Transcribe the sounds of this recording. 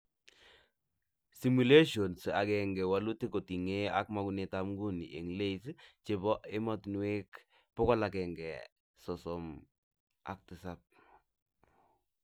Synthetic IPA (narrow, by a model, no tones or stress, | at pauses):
simuleʃonsakɛŋɡɛwalutekotiŋeak̚makunɛtamɡuniʔḛŋleist͡ʃebɔʔemɔtnuwek | pɔkɔlakɛŋɡɛ̰ | sɔsɔm | a̰k̚tɪsap̚